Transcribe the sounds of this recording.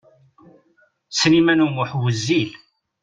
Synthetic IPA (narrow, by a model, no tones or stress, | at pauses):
snimænunəħwəzːil